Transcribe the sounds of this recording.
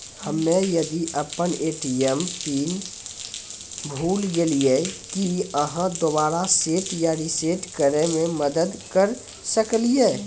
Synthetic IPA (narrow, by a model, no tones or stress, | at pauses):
həmːejɐd̪iʔəpəneːʈiəmtiːn | bʱuːlɡeliekiəɦãd̪obaːɾaseːʈjaɾiseːʈkəɾemẽməd̪əd̪kəɾ | səklieː